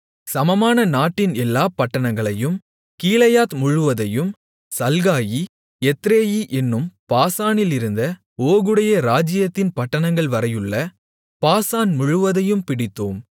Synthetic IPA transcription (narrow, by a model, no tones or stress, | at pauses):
sɐmɐmaːnɐnaːʈːɪnɛlːaːpɐʈːɐɳɐŋɡɐɭɐjɯm | kiːlɐjaːt̪mʊɻɯʋɐðɐjɯm | sɐlɣaːji | ɛt̪ːɾeːjiʔɛnːɯmpaːsaːnɪlɪɾɯnd̪ɐ | oːɣɯɽɐjɐɾaːd͡ʒɪjɐt̪ːɪnpɐʈːɐɳɐŋɡɐɭʋɐɾɐjɯɭːɐ | paːsaːnmʊɻɯʋɐðɐjɯmpɪɽɪt̪ːoːm